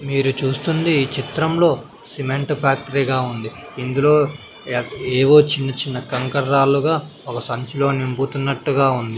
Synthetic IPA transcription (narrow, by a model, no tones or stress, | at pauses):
miːɾut͡ʃuːst̪und̪iːt͡ʃit̪ɾɐmlo̞ː | simeɳʈpaːk̚ʈɐɾiɡaːund̪i | ind̪ulo̞ː | eːʋo̞ːt͡ʃinːɐt͡ʃinːɐkɐŋkɐɾːaːluɡaː | ɔkɐsɐɲt͡ʃulo̞ːnimput̪unːɐʈːuɡaːund̪i